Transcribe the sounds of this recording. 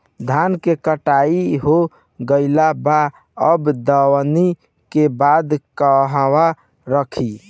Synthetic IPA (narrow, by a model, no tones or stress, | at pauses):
d̪ʱankekəʈaiɦo | ɡəɪlaba | əbd̪əwni | kebad̪kəɦwa | ɾəkʰi